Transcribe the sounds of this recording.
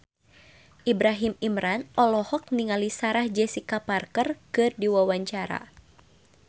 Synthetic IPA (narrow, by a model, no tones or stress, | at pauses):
ʔibɾaɦimimɾanʔɔlɔhɔk̚niŋalisaɾahd͡ʒɛsikaparkərkɨrdiwawaɲt͡ʃaɾa̰